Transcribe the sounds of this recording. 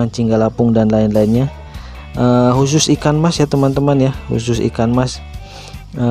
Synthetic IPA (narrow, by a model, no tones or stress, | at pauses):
ant͡ʃiŋɡalapʊŋdanlaɪnlainɲa | ʔəhus̬ʊsikanmasjat̪əmant̪əmanjahṵsʊsḭkanmas | ə